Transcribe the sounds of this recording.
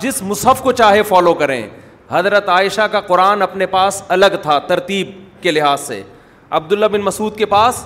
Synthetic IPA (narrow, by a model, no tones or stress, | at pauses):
d͡ʒɪsmʊsɦəfkot͡ʃaːɦefɔːlokɐɾḛ̃ː | hɐzɾət̪aːɪʃakaqʊɾaːnɐpnepaːsɐləɡt̪ʰat̪ɐɾt̪iːb̚kelɪɦaːzsḛ | ɐ̰b̚d̪ʊlːabɪnmɐsuːd̪kepaːs